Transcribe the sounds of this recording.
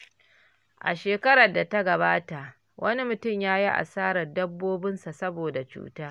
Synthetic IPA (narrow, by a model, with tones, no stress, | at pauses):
ʔa̰˨ʃeː˨kɐ˦ɾɐ˨da˨ta˦ɡɐ˨baː˦ta˨ʔ | wʔɐ˦ni˦mʊ˨tʊ˦˨mjaː˦ji˦ʔa̰˨saː˦ɾɐ˨rdɐ˦bːoː˦bɪ˦nsa˨sɐ˦boː˨da˨t͡ʃṵː˦taː˦